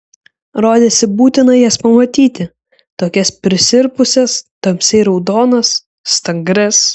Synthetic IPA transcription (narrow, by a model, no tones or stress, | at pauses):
ɾoːd̪ʲeːsʲɪbuːt̪ʲɪnɐjɛspɐmɐt̪ʲiːt̪ʲɪ | t̪oːkʲɛspʲɾʲɪsʲɪɾpʊsʲɛst̪ɐmʲsʲɛɪɾɒʊd̪oːnɐs | st̪ɐŋɡɾʲɛs